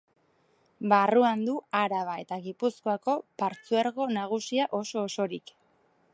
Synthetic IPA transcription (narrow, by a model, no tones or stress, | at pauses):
baruand̪uaɾaβae̞t̪aɣipusko̞ako̞paɾt͡suaɾɣo̞naɣ̞usiaʔo̞so̞ːso̞ɾik